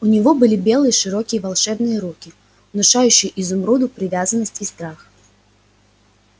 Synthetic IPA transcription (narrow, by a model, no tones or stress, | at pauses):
ʊnʲɪvo̞bɨlʲibʲe̞lˠɨjəʂɨɾokʲɪjəvɐlˠʂɛbnɨjəɾukʲɪ | ʊnʊʂajʉɕːɪjəʔɪzʊmɾud̪ʊpɾʲɪvʲazənːəsʲtʲist̪ɾax